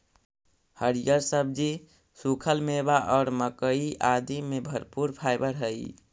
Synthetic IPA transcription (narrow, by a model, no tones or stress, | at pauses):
həɾijəɾsəbd͡ʒi | sukʰəlmebaʔɔːɾməkəiʔad̪imebʱəɾpuɾpʰajbəɾɦəj